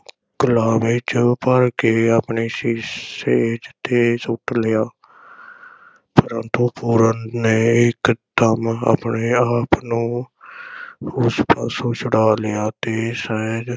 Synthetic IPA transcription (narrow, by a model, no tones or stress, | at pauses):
ɡʊlaːmet͡ʃpəɾkeːaːpɳeːsiːed͡ʒt̪eːsʊʈlɪjaː | pəɾənt̪uːpuːɾənneːɪkt̪əma̰ːpɳeːaːpnũː | ʊspaːsoːt͡ʃəɽaːlejaːt̪eːsɛd͡ʒ